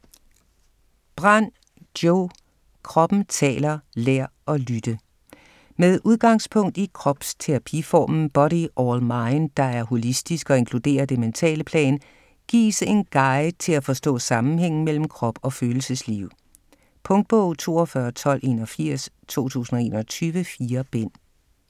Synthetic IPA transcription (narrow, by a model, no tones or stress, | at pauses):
b̥ʁɑn̰ | d̥joʊ | kʰʁɒ̽b̥n̩t͡sʰɛ̰ːlɐleɐ̰ɒ̽lyd̥ə | meðˠʔuðˠɡ̥ɑ̈ŋspʰɔ̽ŋ̰d̥ikʰʁɒ̽b̥st͡sʰeʁɑ̈pʰifɒ̰ːmn̩b̥ɒ̽ɾiʔɒlmɑ̈ɪnd̥ɑ̈æɐɦo̝lisd̥isɡ̥ɒ̽e̝nkʰlud̥e̝̰ːɐd̥e̝ment͡sʰɛ̰ːləpʰlɛ̰ːn | ɡ̥ḭːse̝nɡ̥ɑ̈ɪt͡sʰe̝læfɒ̽sd̥ɔ̰̽ːsɑ̈mn̩heŋ̰n̩mel̰m̩kʰʁɒ̽b̥ɒ̽føːl̩səsliʊ̰ | pʰɔ̽ŋd̥̚b̥ɔʊ̰t͡sʰo̝̰ːɒfɶːɐt͡sʰɒ̽l̰ʔe̝̰ːnɒfiɐ̰s | t͡sʰo̝̰ːt͡sʰṵːsn̩ɒ̽e̝ːnɐt͡sʰyːʋəfiːɐb̥en̰